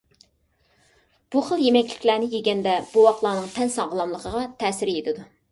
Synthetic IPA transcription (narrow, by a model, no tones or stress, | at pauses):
b̥uχəlˠjemɛkʲlɪ̥kʲlænɪjeɡʲɛnd̪ɛb̥uwɑqlˠɑːnɨŋt̪ʰɛnsɑʁəlˠɑmlˠəqʰəʁɑt̪ʰɛːsɪɾjet̪ʰɪd̪u